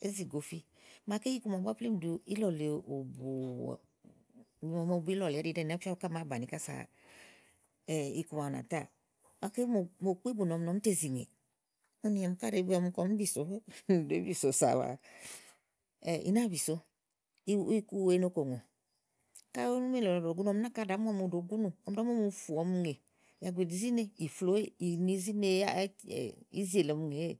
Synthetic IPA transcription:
e˦zi˨ɡo˨fi˦ | ma˧ke˦i˦ku˧ma˨ba˦ple˦m˨du˧i˦lɔ˨le˨o˨bṵ˨ | ɔ˨m˧˨bu˨˦i˦lɔ˨lɾi˧˨dɛ˦˨n˨a˦fa˦ka˦ma˨˦ba˨ni˨ka˦sa̰˨ | ɛ˨i˧ku˧ma˨na̰˨ta̰˦˨ | ma˨ke˦˨mo˨k͡pi˦bu˨nɔ˨m˦nɔ˨m̩˦te˦˨zi˨ŋḛ˨ | u˦ni˧ɛ˨m˧ka˦ɾe˨˦bɔ˧m˧kɔ˧m˦bi˦˨so˨˦˨de˦bi˦˨so˨sa̰˨wa̰˨ | ɛ˨ʔḭ˨na˦˨bi˨so˨˦ | i˦i˦ku˦we˦no˦ko˨ŋo˨ | ka˦o˦nu˦me˦lɔ˨o˨ɡu˦n˦ɔ˧m˦a˦ka˦˨da˨˦m˦ɔ˦mu˨do˨ɡu˦nu˨ɔ˨m˦da˦m˦ɔ˦mu˨˦˨fu˨ɔ˧˦mu˧˦ŋe˨ | ja˨ɡʷe˨di˨zi˦ne˦i˨flo˦e˦i˨ni˧˦zi˦ne˧˦a̰˦˨ḭ˦zi˦e˨lɔ˨mu˧˨ŋe˨e˦˨

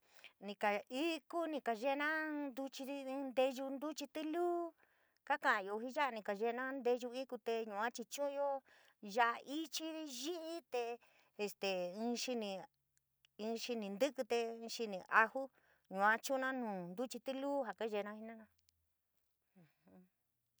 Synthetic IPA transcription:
nĩ˧ka˨i˦ku˦nĩ˧ka˨ʒe˦˧˦nã˦nd̪u˧t͡ʃĩ˧nd̪e˧ʒu˧nd̪u˦t͡ʃi˧t̪i˦luː˦ | ka˦kã˨˧jo˧ɦi˦ʒa˦ʔa˧nĩ˧ka˨ʒe˧nã˦nd̪e˧ʒu˧i˦ku˧t̪e˧ɲũ˨˧˨ã˦t͡ʃi˧t͡ʃũ˦˧jo˦ | ʒa˧˦ʔa˧ʔi˦t͡ʃi˦ɾi˧ʒi˦ʔi˦t̪e˧ | e˧st̪e˨ɨ̃˧ʃi˧nĩ˧ | ʃi˧nĩ˧nd̪ɨ˦kɨ˧t̪e˧ɨ̃˧ʃi˧nĩ˧ʔa˧hu˦ | ɲũ˨ã˦t͡ʃũ˦nã˦nũː˨nd̪u˦t͡ʃi˧t̪ɨ˦luː˦ɦa˨ka˦ʒe˧nã˧hi˧nã˦˧nã˧ | hũ˧

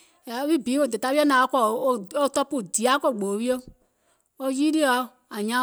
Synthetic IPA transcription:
ja˨˦wi˦˨biː˨˦wo˧˨de˨ta˧˦i˦ɛ˦nã˨˦o˦kɔ˨o˦o˦tɔ˧pu˦˨di˨a˨˦kɔ˦˨ɡ͡bo˨˦wi˦o˦ | o˦˧ji˦ɾi˦ɔ˧˦ | a˨ɲã˦

